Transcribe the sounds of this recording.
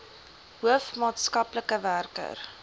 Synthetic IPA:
ɦuəfmɑːtskɐpləkəværkə̰r

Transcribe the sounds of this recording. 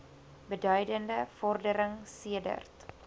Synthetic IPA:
bədœɥdəndəfɔrdəɾəŋsiədə̰rt

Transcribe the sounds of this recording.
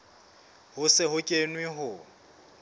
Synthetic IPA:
hʊsɪɦʊkʼenwɪɦʊ

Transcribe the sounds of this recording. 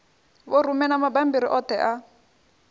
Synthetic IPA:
βɔrumɛnamabambiɾiʔɔtɛʔa

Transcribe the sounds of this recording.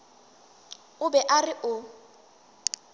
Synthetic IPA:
ʊbɛʔarɪʔʊ

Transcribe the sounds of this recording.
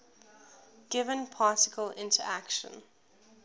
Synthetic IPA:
ɡ̥ɪvə̃npʰɑˑtɪkʰəlɪ̰̃ntʰəɹækʃə̰̃n

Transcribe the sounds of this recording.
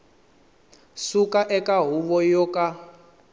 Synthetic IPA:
sukaʔɛkaɦuβɔjɔkʼa

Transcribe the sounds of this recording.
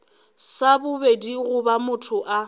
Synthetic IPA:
sabʊbediɣʊbamʊtʰʊʔa

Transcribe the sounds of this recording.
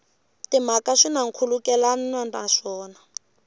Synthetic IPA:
tim̤akaʂinaŋ̩kʰulukɛlannandʼa̰ʂɔːna

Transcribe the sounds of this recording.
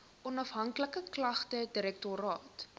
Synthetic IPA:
ʔɔnɐfɦɐŋkləkəklɐχtədiɾɛk̚tɔɾɑːt

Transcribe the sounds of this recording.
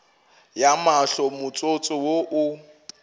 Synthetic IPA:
jamaɬɔmʊt͡sʼot͡sʼɔwoʔʊ

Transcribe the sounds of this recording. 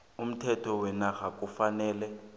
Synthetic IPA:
um̩tʰɛtʰɔwɛnaɣak̬ʼufanɛːlɛ

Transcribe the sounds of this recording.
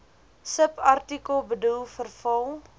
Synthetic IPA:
səpɐrtikəlˠbədulˠfərfɐlˠ

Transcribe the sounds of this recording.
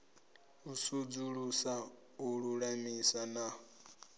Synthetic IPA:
usud͡zuɺusa | uɺuɺamisanaɔ

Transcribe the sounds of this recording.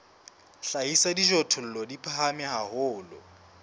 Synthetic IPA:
ɬaisadiʒɔtʰʊl̩lɔdipʰaɦamɪɦahʊːlɔ̰

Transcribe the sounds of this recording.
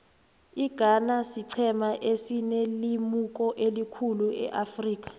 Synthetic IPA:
iɡ̥ʱanasiǀʰɛmaʔesinelimuk̬ʼɔʔelikʰuluɛ̰ʔafriːk̬ʼḁ

